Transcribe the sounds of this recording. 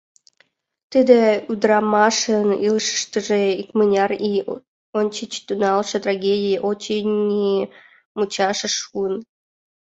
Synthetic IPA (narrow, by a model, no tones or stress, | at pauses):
t̪ɨd̪eud̪rɑmɑʃənilʃə̥ʃt̪əʒeikmɨnʲɑri | onʲt͡ɕit͡ɕt̪unɑlʃet̪raɡʲedʲijiʔot͡ɕinʲi | mut͡ɕɑʃəʃuən